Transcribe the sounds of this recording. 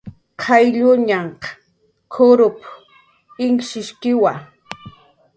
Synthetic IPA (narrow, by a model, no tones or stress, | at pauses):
qʰɑjʎʊɲaɴq | kʰʊɾʊp | ɪŋʃɪʃkɪwa